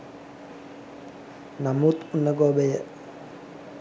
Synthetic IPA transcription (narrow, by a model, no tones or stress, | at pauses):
namut̪unːəɡɔːbəjə